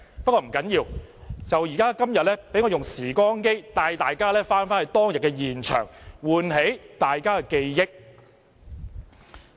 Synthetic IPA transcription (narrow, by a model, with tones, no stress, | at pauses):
pɐ˥kːɔː˧m̩˨˩kɐ˨˥njiː˧wt͡sɐ˨wjiː˨˩kaː˥kɐ˥mjɐ˨t̚lɛː˥pe˨˥jŋɔː˧jʊ˨ŋsiː˨˩kɔː˥ŋke˥jt̪aː˧jt̪aː˨jkaː˥lɛː˥faː˥nfaː˥nɐ˨jt̪ɔː˥ŋjɐ˨t̚kːɛ˧jiː˨nt͡ʃʰœ̰ː˨˩ŋwuː˨nɦe˨˥jt̪aː˨jkaː˥kɛ˧ke˧jjɪ˥k̚